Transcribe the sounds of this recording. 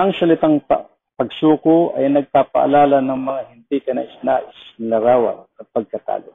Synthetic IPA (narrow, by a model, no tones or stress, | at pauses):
ʔɐŋsɐlɪt̪aŋpa | pɐɡsuːkoʔɐjnɐɡ̚paːpa̰ʔa̰laːlanɐŋmɐŋahɪnd̪ikɐnɐ̰ʔɪsnaʔɪsnlɐɾaːwa̰kɐpɐɡ̚kɐt̪a̰ːlo̰